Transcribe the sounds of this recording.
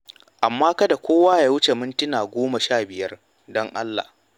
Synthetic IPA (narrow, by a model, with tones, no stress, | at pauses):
ʔa˨mːaː˦kɐ˦da˨kʷʰoː˦waː˦jaː˦wʊ˦t͡ʃe˨mʊ˦ntɪ˦naː˨ɡʷoː˦ma˨ʃaː˦˨bɪ˨jɐ˦r | dɔ˦ŋʔa˦lːa̰˨h